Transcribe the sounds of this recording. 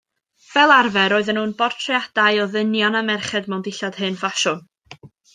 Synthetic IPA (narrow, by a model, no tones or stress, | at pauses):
vɛlˠarvɛɾɔːɨðənhuːnbɔrtʰrɛad̥aɨɔðənjanəmɛrχɛdmɛwndɪɬad̥hɨnfaʃʊn